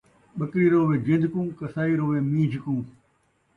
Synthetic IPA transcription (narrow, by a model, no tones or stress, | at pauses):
ɓəkɾiːɾoːʋẽːd͡ʒɪ̃nd̪ʱkũːkəsaːiːɾoːʋẽːmĩːd͡ʒʱkũː